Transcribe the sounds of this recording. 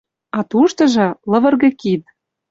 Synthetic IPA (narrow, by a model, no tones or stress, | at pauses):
ɑt̪uʃt̪ɤ̆ʒɤ̆lɤ̆vɤ̆rɣɤ̆kit̪̚